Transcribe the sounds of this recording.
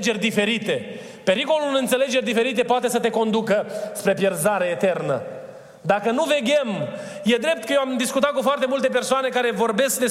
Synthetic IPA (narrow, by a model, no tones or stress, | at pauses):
d͡ʒe̞rʲd̪ife̞ɾit̪e̞ | pe̞ɾiko̞lulɨnt̪se̞le̞d͡ʒe̞rʲd̪ife̞ɾit̪e̞poat̪e̞sət̪e̞ko̞nd̪ukəspɾe̞pje̞rzaɾeːt̪e̞rnə | d̪akənuve̞ɡʲem | je̞d̪ɾe̞p̚t̪kəjeoamd̪iskut̪at̪̚kufoart̪e̞mult̪e̞p̬e̞rsoane̞kaɾe̞vo̞rbe̞sk̚d̪es